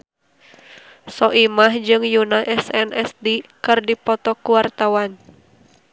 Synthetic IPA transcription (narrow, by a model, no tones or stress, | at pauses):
sɔʔimahd͡ʒɨŋjunaʔɛsɛnʔɛsdikɨrdipɔt̪ɔkuwart̪awan